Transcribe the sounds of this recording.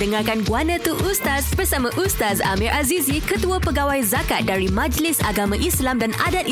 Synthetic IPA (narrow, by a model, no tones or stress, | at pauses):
dəŋarkanɡuanə̃t̪uʔust̪asbərsamãʔust̪aza̰mĩɾʔazizikət̪uapəɡawajzakat̪̚daɾimãd͡ʒlɪsaɡamãʔislamdanadat̪̚